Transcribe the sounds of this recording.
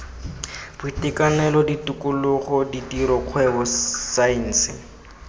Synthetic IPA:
b̥ʊitɪkanɛlɔditʊkʊlʊχɔditiɾɔq͡χʰwɛbɔsain̩ːsɪ̰

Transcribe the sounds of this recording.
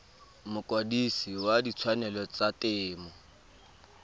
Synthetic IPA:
mʊkʼodisiwadit͡sʰwanɛlɔt͡satʼɪːmɔ

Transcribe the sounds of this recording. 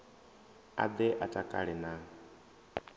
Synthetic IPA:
a̰d̪ɛʔatʼakʼa̰ɺɛna

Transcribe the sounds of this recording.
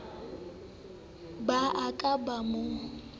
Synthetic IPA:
baʔakʼabamʊ

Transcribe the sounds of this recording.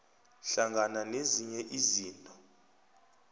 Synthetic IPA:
ɬaŋɡʱananeziɲɛʔiziːntʼɔ̥

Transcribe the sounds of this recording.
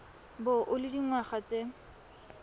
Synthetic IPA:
bʊʔʊlɪdiŋwaχat͡sʼe

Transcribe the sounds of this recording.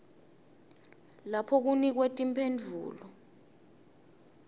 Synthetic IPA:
lapʰɔk̬unik̬wetʼimpʰend͡ɮʱṵːlɔ

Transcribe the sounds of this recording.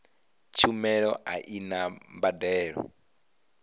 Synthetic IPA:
t͡ʃʰumɛɺɔʔaʔinambadɛːɺɔ̰

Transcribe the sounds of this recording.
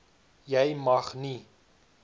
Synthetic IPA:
jɛjmɐχni

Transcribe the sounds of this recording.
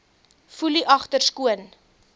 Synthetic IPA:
fuliʔɐχtərskuən

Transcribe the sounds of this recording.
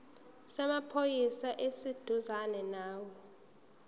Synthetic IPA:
sɛmapʰojisaʔesid̥ʱuzanɛnaːwɔ

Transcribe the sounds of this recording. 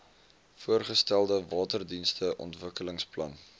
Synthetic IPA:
fuərχəstælˠdəvɑːtərdinstəʔɔ̰ntvəkələŋsplɐ̰n

